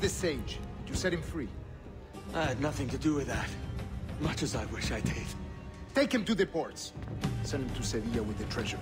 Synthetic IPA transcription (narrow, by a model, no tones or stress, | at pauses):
ðɨseɪd͡ʒdjɨsɛt̚hɨ̃ɱfɹi | ʔaɪɨdⁿnʌθɪ̃ŋtɨdɨwɪðæt̚mʌt͡ʃɨzaɪwɪʃaɪdɪd̥ | tẽɪkhɨ̃mtɨðɨpʰɔɹtssɛ̃nɨ̃mtʰuseviəwɨðɨtʰɹ̥ɛʒə˞